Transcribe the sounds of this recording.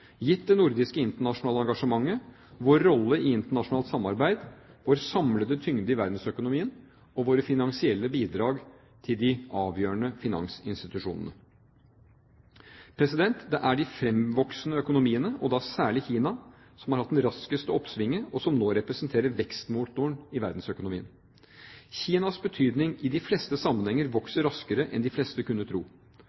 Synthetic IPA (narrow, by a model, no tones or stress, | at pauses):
jɪt̪d̪ɛnʊɾd̪ɪskəɪnt̪əɳɑʂʊnɑːləɑŋɡɑʂəmɑŋːə | ʋoːɾːɔlːəɪɪnt̪əɳɑʂʊnɑːlt̪sɑmːɑɾbæɪd̪ʋoːɾsɑmləd̪ət̪ʰʏŋd̪əɪʋæɾd̪n̩sœkʊnʊmiːən | ɔʋoːɾəfɪnɑŋsɪɛlːəbiːd̪ɾɑːɡ | t̪ʰɪld̪ɪʔɑːʋjøːɳəfɪnɑ̰ŋsɪnst̪ɪt̪ʉʂṵːnə̰nə̰ | pʰɾɛsɪd̪ɛnt̪d̪ɛʔæɖɪfɾɛmʋɔksnəœkʊnʊmiːənəʔɔd̪ɑsæːɭɪçiːnɑ | sɔmhɑɾhɑt̪d̪ɛnɾɑskəst̪əɔpsʋɪŋːəɔsɔmnoːɾɛpɾɛsənt̪ʰeːɾəɾʋɛkst̪muːt̪ʊəɳɪʋæɾd̪n̩sœkʊnʊmiːə̰n | çiːnɑsbət̪ʰyːd̪nɪŋɪd̪ɪflɛst̪əsɑmːənhɛŋːəɾʋɔksəɾɑskəɾəʔɛ̰nd̪ɪflɛst̪əkʉnːət̪ʰɾṵː